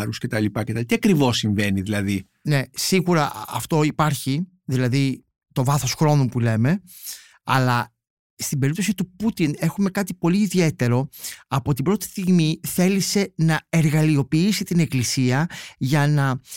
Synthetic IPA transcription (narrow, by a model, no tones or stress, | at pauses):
ɾuscet̪ɐlipɐcet̪ɐlit̪iɐkɾivo̞sːiɱve̞niðilɐði | ne̞siɣuɾɐɐ̰ft̪o̞ipɐɾçi | ðilɐði | t̪o̞vɐθo̞sxɾo̞nupule̞me̞ | ɐlɐ | st̪ibeip̚t̪o̞s̬it̪uput̪ine̞xume̞kɐt̪ipo̞liːðie̞t̪e̞ɾo̞ɐpot̪ibɾo̞t̪i̥st̪iɣmiθe̞lise̞nɐe̞ɾɣɐlio̞piisit̪ine̞klisiɐʝɐnɐ